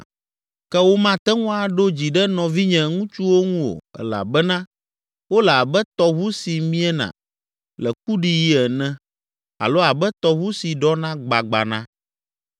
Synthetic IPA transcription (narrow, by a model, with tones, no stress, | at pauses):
kɛ˦wo˦mã˦t̪ɛ˦ŋũ˦a˨ɖo˦d͡ʑi˨ɖɛ˦nɔ̃˨vi˦ɲɛ̃˨ŋũ˦t͡ʃu˦wo˦ŋũ˦wo̰˨ɛ̰˨la̰˨bɛ˦nã˦ | wo˦lɛ˨a˨bɛ˦t̪ɔ˨βu˦si˨mĩ˦ɛ˦nã̰˨ | lɛ˨k̚u˦ɖi˨ji˦ɛ˨nɛ̃˦ | a̰˨lo˦a˨bɛ˦t̪ɔ˨βu˦si˨ɖɔ˦nã˦ɡ͡ba˨ɡ͡ba̰˨nã̰˦